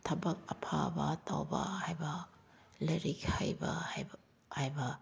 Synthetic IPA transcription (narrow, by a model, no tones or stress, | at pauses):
tʰɐbɐk̚ɐpʰabɐtawbɐ̰hajbɐlɐɾikhajbɐhj | hajbɐ